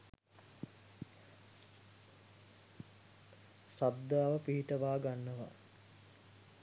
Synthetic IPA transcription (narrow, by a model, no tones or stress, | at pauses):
srab̚d̪aːʋəpiɦiʈəʋaːɡanːəʋa̰